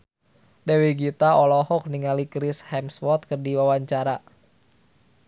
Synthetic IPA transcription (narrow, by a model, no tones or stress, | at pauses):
dɛwiɡit̪aɔlɔhɔk̚niŋalikɾɪshɛmswɔt̪̚kərdiwawaɲt͡ʃaɾa